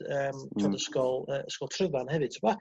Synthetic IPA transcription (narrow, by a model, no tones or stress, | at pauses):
əːmtʰadəskɔlˠəːəskɔlˠtʰrəðanhɛvɨd̥tʰma